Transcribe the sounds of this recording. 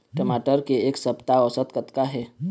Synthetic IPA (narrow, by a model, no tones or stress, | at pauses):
ʈəmaʈəɾkeeːksəpt̪aɔsət̪kət̪kaɦɛ